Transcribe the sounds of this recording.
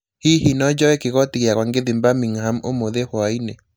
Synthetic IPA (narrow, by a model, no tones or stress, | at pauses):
hihinɔd͡ʒɔɛkɪɣɔtiɣjakwaŋɡeðimbamiŋhamomoðehɔainɛ